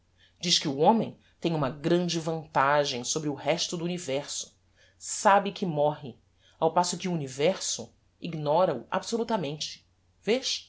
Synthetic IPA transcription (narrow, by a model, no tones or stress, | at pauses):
d͡ʒiʃkɪuõmẽj̃ | t̪ẽj̃ũmɐɡɾɐ̃nd͡ʒɪvɐ̃nt̪aʒẽj̃sobɾɪʊhɛʃt̪ʊd̪ʊunivɛɾsʊ̥ | sabɪkʰɪmɔɦɪ | awpasʊkɪuːnivɛɾsʊ̰ | iɡnɔɾɐʊa̰bsolut̪ɐmẽnt͡ʃɪ̥ | veʃ